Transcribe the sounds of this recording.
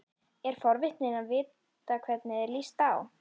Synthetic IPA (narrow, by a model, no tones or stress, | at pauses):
ɛɾ̥fɔɾvɪht̪nɪnaðvɪːt̪ | akʰvɛt̪nɪðɛɾlist̪aːw